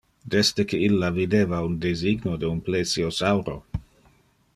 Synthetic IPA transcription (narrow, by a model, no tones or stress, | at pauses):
d̪ɛst̪əkeilːavid̪eːvaundeziɡnodeunplesiosawɾo